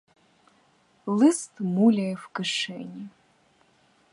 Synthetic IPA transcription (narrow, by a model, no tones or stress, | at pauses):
lɨstʰʼmulʲɐjfkɨʂḛnʲi